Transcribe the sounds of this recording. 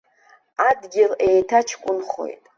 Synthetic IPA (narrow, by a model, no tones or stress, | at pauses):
adɡʲɪlejtʰat͡ʃʰkʷʼʊnχo̞̰jtʼ